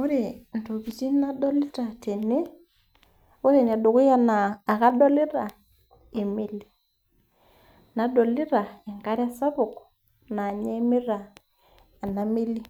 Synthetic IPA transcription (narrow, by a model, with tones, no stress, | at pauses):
o˦ɾe˨n˨to˨βi˨ti˦na˦dɔ˦lɪ˦ta˨te˨ne˦ | o˦ɾe˨n˨a˨do˨kʊ˦ja˦naː˨ka˦dɔ˦lɪ˦ɾa˨ | e˨me˦le˨ | na˨˦dɔ˨lɪ˦ɾa˨e˨ŋka˦ɾja˦sa˦βʊ˨kɔ | na˨ɲɛ˦me˦ɾa˨ | a˨na˨˦me˦li˦